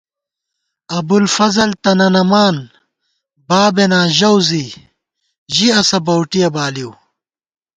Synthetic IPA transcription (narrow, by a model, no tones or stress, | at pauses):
ɐbulfɐzɐlt̪ɐnɐnɐmaːn | baːbenãːʑɐwzi | ʑiɐsɐbɐwʈijɐbaːliw